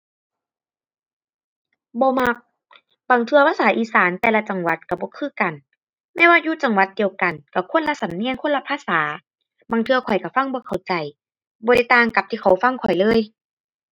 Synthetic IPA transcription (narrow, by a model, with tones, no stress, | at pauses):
bɔː˧˦ma˧k̚ | baː˨˩ŋt̪ʰɯ˧ɐpʰaː˧saː˨˦ʔiː˧˨saː˨˦nt̪ɛː˧la˧t͡ɕa˨˩ŋwa˧˦t̪̚ka˧˩bɔː˧˦kʰɯː˧˥˨ka˨˩n | mɛː˧˨waː˧juː˧˥˨t͡ɕa˨ŋwa˧˦t̪̚di˨˩əwka˨˩nka˧˩kʰo˧˥˨nla˧sa˨˦mni˧˥˨nkʰo˧˥˨la˧pʰaː˧˨saː˨˩˦ | baː˧˩ŋt̪ʰɯ˧ɐkʰɔ˨˩jka˧˩fa˧˥˨ŋbɔː˧˦kʰa˨˩wt͡ɕa˨˩j | bɔː˧˦ɾa˧˥˩jt̪aː˧˨ŋka˧˩p̚t̪ʰiː˧kʰa˨˩wfa˧˨ŋkʰɔ˨˩jlɤː˧˥˨j